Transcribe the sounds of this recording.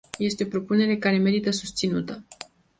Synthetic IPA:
je̞st̪eopɾo̞pune̞ɾe̞kaɾe̞me̞ɾit̪əsust̪sinut̪ə

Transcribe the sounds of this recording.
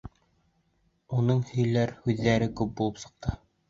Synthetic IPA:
unɤɴhɵ̆jlæɾhʉðːæɾɘkʉp̚bulˠɤpsɤ̆q̚t̪ɤ

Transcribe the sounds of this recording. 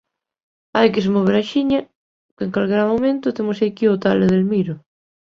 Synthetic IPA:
ajkesemoβ̞eɾaʃiɲɐ | keeŋkalɣeɾamomẽnt̪ʊt̪emosajkiot̪aleðelmiɾʊ

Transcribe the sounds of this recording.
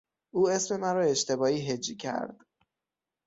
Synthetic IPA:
ʔuːe̞sme̞mæɾɒːe̞ʃt̪ʰe̞bɒːiːɦed͡ʒicʰæ̰ɾd̪̥

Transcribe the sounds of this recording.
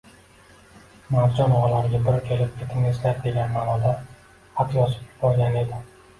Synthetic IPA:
maɾd͡ʒɒnɒʁɑlaɾɪɡʲabɪɾkʲʰelɪp̚kʲʰe̞t̪ʰɪmneʃlap̚kʰʲeɡʲanmanɒd̪a | hat̪ʰjɒsɪ̥p̚ʰɪ̥pɒɾɡʲane̞d̪ɪ

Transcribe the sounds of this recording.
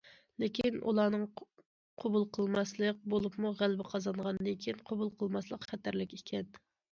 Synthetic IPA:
lɪkʲʰinʔṵlˠɑːnɨŋ | qʰobulˠqʰəlˠmɑslˠək̚bolˠupmuʁælbɪqʰɑzɑɴʁɑnɨd̪ɨkʲʰinqʰobulˠqʰəlˠmɑslˠəqχɛt̪æɾlɪkʲekʲʰɛn

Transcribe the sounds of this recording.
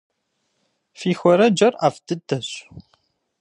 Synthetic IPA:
fiçəɾæd͡ʒəɾˤəfd̪əd̪ːæs

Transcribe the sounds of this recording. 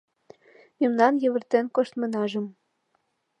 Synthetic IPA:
mimnɑnjɘ̆βɘ̆rt̪enkoʃt̪mɤ̆nɑʒɤ̆m

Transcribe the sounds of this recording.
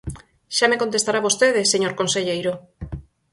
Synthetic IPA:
ʃamekont̪est̪aɾaβost̪eðeseɲoɾkonseʎejɾo

